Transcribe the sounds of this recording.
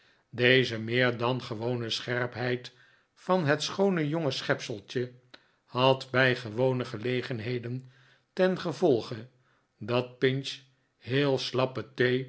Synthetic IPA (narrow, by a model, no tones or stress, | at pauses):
dejzəmɪːɹdɑnχəʋownəsχɛɹpɦɛjt | fɑnɦətsχownəjoŋəsχɛpsəlˠt͡ʃə | hɑtbɛjχəʋownəχəlejχənɦejdən | tɛnχəvɔlˠχə | dɑt̚pɪns | ɦɪːlˠslɑpətej